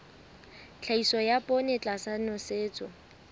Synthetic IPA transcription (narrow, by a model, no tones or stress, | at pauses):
t͡ɬʰaisɔjapʼɔnɪt͡ɬʼasanɔseːt͡sʼɔ